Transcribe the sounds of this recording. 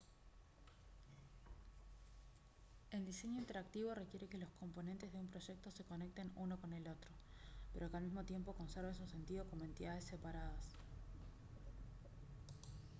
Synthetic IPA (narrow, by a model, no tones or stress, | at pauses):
e̞ld̪ise̞ɲoint̪e̞ɾak̚t̪iβo̞rekjeɾe̞ke̞lo̞sko̞mpo̞ne̞nt̪e̞zðeumpɾo̞ʒe̞k̚t̪ose̞ko̞ne̞k̚t̪e̞nuno̞ko̞ne̞lo̞t̪ɾo̞ | peɾo̞kealmizmot̪je̞mpo̞ko̞nseɾβensuse̞nt̪iðokomoe̞nt̪iðaðe̞sːe̞paɾað̞as